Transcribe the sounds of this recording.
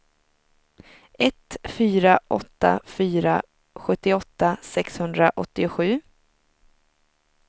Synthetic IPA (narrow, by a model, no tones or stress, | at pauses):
ʔɛt̪fyːɾaʔɔ̰t̪ːa̰fyːɾa | ɧɵt̪ːɪɔt̪ːasɛkshɵnd̪ɾaʔɔt̪ːɪʊɧʉ̟ː